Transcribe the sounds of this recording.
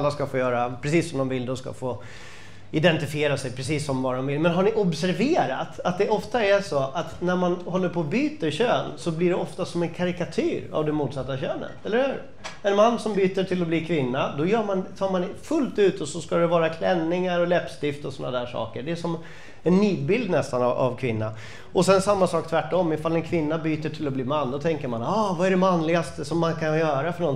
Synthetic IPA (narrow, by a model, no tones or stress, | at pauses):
lːaskafoːjœːɾapʰɾɛsiːsːɔmd̪ɔmvɪlːd̪ɔska̰foː | ɪd̪ɛnt̪ɪfɪeːɾasɛjpʰɾɛsiːsːɔmvaɖɔmvɪlmɛnɦaɳɪʔɔbsæɾveːɾa̰t̪at̪̚d̪ɛʔɔft̪aæʂoʔat̪næɾmanhɔlːəɾpʰoːbyːt̪əɾɕøːnsɔblɪɖɛɔft̪asɔmɛnkʰaɾɪkat̪ʰyːɾa̰vd̪ɛmuːt̪sat̪ːaɕøːnə̰t̪ɛlːəɾhʉ̟ːɾ | ɛnmanːsɔmbyːt̪əʈʰɪlɔbliːkʰvɪnːad̪ɔjœːmant̪ʰɑːɾmanfɵlt̪ʉ̟ːt̪ɔsɔskad̪ɛvɑːɾakʰlɛnːɪŋaɾɔlɛpst̪ɪft̪ɔsɔnːa̰d̪æːʂɑ̰ːkəɖɛæʂɔm | ɛnːiːd̪̚bɪld̪nɛst̪anaa̰vkʰvɪnːa̰ | ɔsɛnsamːasɑːk̚t̪ʰvæʈːɔmːɪfalːɛnkʰvɪnːabyːt̪əʈʰɪlːɔbliːmanːd̪ɔt̪ʰɛŋkəɾmanɑːvaæɖɛmanlɪɡast̪əsɔmːankʰanjœːɾafœɳɔn